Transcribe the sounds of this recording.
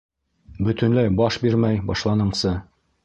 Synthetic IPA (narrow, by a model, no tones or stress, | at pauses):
bɵ̆t̪ɵ̆nlæjbɒʃbiɾmæjbɒʃlˠɑnɤ̆ɴsɤ